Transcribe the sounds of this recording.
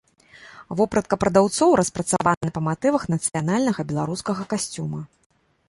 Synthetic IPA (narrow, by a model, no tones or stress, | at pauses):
vɔpɾɐt̪̚kɐpɾɐd̪awt̪sɔwɾɐspɾɐt̪savanɐnɐpɐmat̪ɨvɐxnɐt̪sɨjan̪alʲnɐɣɐbʲɛlˠaɾuskɐɣɐkasʲt͡sʲumɐ